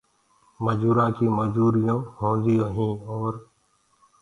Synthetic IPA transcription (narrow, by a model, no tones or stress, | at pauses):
məd͡ʒuːɾãːkiːməd͡ʒuːɾijõːhõːd͡ʒ̪iːõːɦĩːɔːɾ